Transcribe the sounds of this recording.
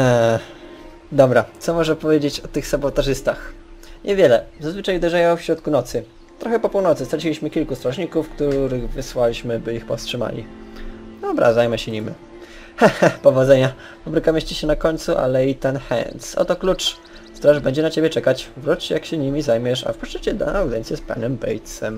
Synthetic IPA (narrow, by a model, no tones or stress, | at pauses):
d̪ɔbɾat̪sɔmɔʐɛpɔvʲjed͡ʑet͡ɕɔt̪ɘxsabɔt̪aʐɘst̪axɲʔɛvʲjɛlɛzazvɘt͡ʂajud̪ɛʐajɔ̃wfɕɾɔt̪̚kunɔt̪sɘ | t̪ɾɔxɛpɔpuwnɔt̪sɘst̪ɾat͡ɕilʲiɕmɘkʲilkust̪ɾɔʐɲikufkt̪uɾɘɣvɘswalʲiɕmɘbɘixpɔfstʂɘma̰lʲḭ | d̪ɔbɾa̰zajmɛɕɛɲimi | xɛxɛpɔvɔd̪zɛɲa | pɔbɾɘkamɛɕt͡ɕɛɕɛnakɔɲʲt̪suʔa̰lɛit̪ɛnxɛ̰nsɔ̰t̪ɔklut͡ʂ | st̪ɾaʐbɛɲd͡ʑɛnat͡ɕebʲɛt͡ʂɛkat͡ɕvɾut͡ʂt͡ɕjakɕɛɲimʲizajmʲjɛʂa̰fpɔʂt͡ʂɛt͡ɕɛd̪a̰nawd̪jɛnt̪sʲjɛspa̰nɛmbɛ̰jt̪sɛm